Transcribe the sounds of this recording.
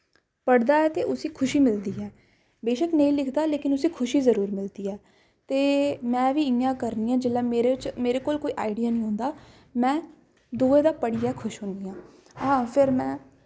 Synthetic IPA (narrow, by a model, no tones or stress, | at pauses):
pəɽd̪aːɛːt̪eːʔʊsĩːkʰʊʃiːmɪld̪iːɛː | beːʃəknəĩːlɪkʰd̪aːleːkɪnʊsĩːkʰʊʃiːzəɾuːɾmɪld̪iːɛː | t̪eːmɛ̃ːʋiːɪjãːkəɾniːãːd͡ʒɪlːaːmeːɾet͡ʃmeːɾeːkoːlkoːiːʔa̰ːɪɖijaːnĩːɦõːnd̪aː | mɛ̃ː | d̪oːeːd̪aːpəɽijaːkʰʊʃɦʊ̃nd̪iːãː | ãːpʰɪɾmɛ̃ː